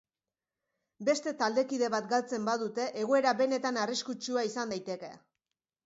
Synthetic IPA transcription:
be̞st̪e̞t̪ald̪e̞kiðe̞β̞at̪ɡalt͡se̞mbaðut̪e̞ʔeɣ̞o̞e̞ɾaβe̞ne̞t̪anariskut͡ʃuaisand̪ajt̪e̞ke̞̰

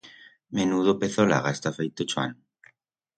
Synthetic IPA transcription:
menuðopeθola̰ɣaest̪afejt̪ot͡ʃwa̰n

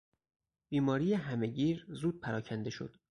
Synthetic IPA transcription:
b̥iːmɒːɾiːjeɦæme̞ɟiːɾzuːd̪̚pʰæɾɒːcʰænd̪e̞ʃo̞̰d̪̥

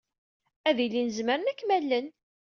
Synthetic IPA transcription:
æðilːinəzməɾənækːmælːən

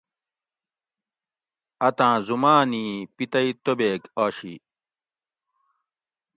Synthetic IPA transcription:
ɐt̪ãːzumaːniːpit̪ɐit̪obeːkaːɕḭ

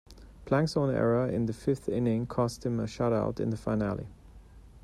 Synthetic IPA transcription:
pʰl̥æ̃ŋksɔ̃nɛ̰ɹəɪ̰̃nðəfɪfθɪ̰̃nɪ̃ŋkʰɔst̚hɪ̃məʃʌɾa̰ʊtɪ̰̃nðəfaɪnæ̰lˠḭ

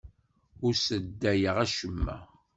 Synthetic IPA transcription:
ʊɾsəd̪ːæjəʁæʃəmːæ̰

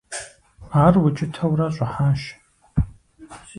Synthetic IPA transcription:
aːrwʊt͡ʃʰʼɪtʰɐwrɐɕʷʼɐħaʃ

